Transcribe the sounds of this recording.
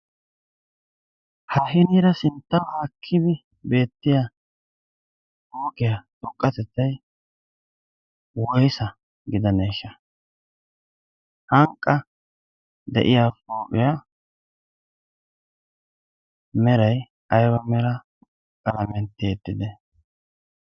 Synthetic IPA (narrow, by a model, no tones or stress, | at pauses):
hɐhɪniːɾɐsɪnt̪ːɐwhaːkʰːɪd̪ɛ | be̞ːt̪ːɪja | hoːkɪjatʼɔkʼːɐt̪ɛt͡sːɐj | wɔjsɐ | ɡɪd̪ɐneːʃɐ | hɐŋkʼːɐ | d̪ɛ̰ʔɪjafoːʔʼɪja | mɛɾɐj | ɐjwɐmɛɾɐ | kʼɐlɐmɛnt̪ːɪjet̪ːɪd̪ɛ